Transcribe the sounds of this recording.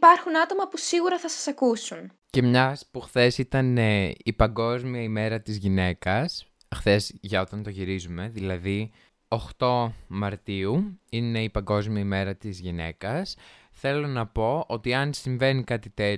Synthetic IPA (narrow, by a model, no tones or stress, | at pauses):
pɐɾxunɐt̪o̞mɐpusiɣuɾɐθɐsɐsɐkusun | ce̞mɲɐspuxθe̞sit̪ɐne̞ipɐŋɡo̞zmiɐime̞ɾɐt̪izʝine̞kɐs | xθe̞zʝɐo̞t̪ɐnt̪o̞ʝiɾizume̞ðilɐði | oxt̪o̞mɐɾt̪iuine̞ipɐŋɡo̞zmiɐime̞ɾɐt̪izʝine̞̰kɐs | θe̞lo̞nɐpo̞o̞t̪iɐnsiɱve̞nikɐt̪it̪e̞